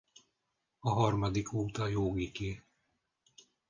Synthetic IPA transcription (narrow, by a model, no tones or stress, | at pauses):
ɒɦɒrmɒd̪ikoːt̪ɒjoːɡike